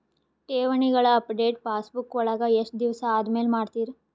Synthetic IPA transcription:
ʈeːʋɐɳiɡɐɭɐːpɖeːʈpaːsbukːʋɔɭɐɡɐeʂʈ̚d̪iʋɐsɐaːd̪meːlmaːɖt̪iːɾi

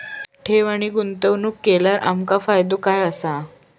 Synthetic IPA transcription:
ʈʰeʋaɽ̃iɡunt̪əʋnuːkːeljaɾʔa̰mkafajd̪okajəsa

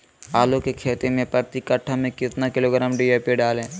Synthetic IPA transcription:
aːlõkekʰeːt̪emẽpəɾt̪ikəʈʰːamẽkɪt̪nakɪloːɡɾaːmɖijepeɖaːlẽː

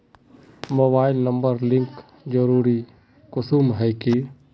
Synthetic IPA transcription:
moːbaːɪlnəmbəɾlɪ̃ŋk | d͡ʒəɾuːɾi | kʊsumɦɛjki

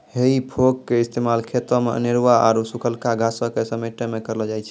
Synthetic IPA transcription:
ɦeipʰokkeist̪emalkʰet̪ɾəmḛə̰niɾʋaa̰ɾusukʰəlkaɡʱasəkesəmeʈəmekəɾld͡ʒajt͡ʃʰɛ

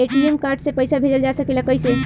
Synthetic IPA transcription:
eʈiemkaɾɖsẽpəjsabʱed͡ʒəld͡ʒasəkeləkəjsẽ

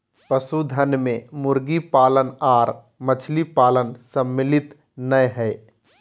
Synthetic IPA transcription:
pəsud̪ʱənmẽmʊɾɡipaːlənaːɾ | mət͡ʃʰlipaːlənsəmːɪlɪt̪ | nəjɦɛː

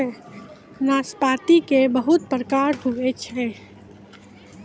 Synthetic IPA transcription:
naːspaːt̪ikebəɦʊt̪̚pɾəkaːɾɦuet͡ʃʰɛ

